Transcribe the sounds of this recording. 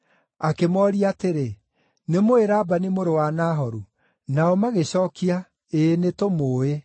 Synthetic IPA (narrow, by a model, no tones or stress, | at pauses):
akemɔɾiateɾe | nemoeɾaːbanimoɾowanaːɦɔɾu | naɔmaɣeɕɔːkia | enetomoːe